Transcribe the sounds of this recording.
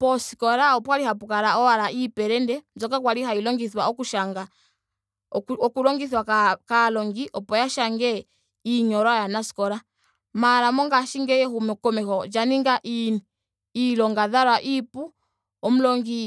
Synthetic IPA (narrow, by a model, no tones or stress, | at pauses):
pɔsi̥kɔɾaɔpwaɾihapukaɾaɔaɾaipɛɾɛndɛmzɔkakwaliɦailɔŋɡiθwaɔkuʃaŋɡa | ɔkulɔŋɡiθwakalɔŋɡiʔɔpɔjaʃaŋɡɛ | iɲɔɾajanasi̥kɔɾa | maɾamɔŋɡaʃiŋɡɛjɛhumɛkɔmɛkɔd͡ʒaniŋɡaʔiniː | lɔŋɡaðaɾwaʔipu | ɔm̩lɔŋɡi